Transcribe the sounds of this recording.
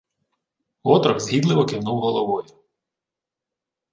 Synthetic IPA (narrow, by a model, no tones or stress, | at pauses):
ɔt̪ɾɔkzɦʲid̪lˠɪʋɔkɪwnuwɦɔlˠɔʋɔjʊ